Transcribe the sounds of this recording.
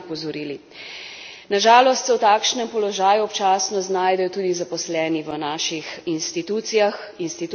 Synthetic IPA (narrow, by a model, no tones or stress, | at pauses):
pɔzɔɾiːli | naʒaːlɔst̪sɛwt̪aːkʃnɛmpɔlɔʒaːjuɔpt͡ʃaːsnɔznaːjd̪ɛjɔt̪uːd̪izapɔslɛːniʋənaːʃixinst̪it̪uːt̪sijax | inst̪it̪